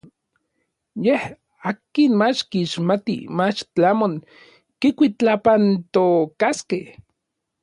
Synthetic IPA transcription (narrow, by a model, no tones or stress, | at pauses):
jeh | aːkinmat͡ʃkiːʃmat̪ḭmat͡ʃt͡ɬamoŋ | kikʷit͡ɬapant̪okaskeh